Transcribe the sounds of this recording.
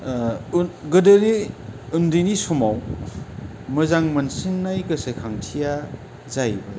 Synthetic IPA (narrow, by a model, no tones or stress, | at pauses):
ɡɯdɯniundinisumaw | mɯzaŋmɐnsinːajkɯsekʰaŋtʰija | zajbɯ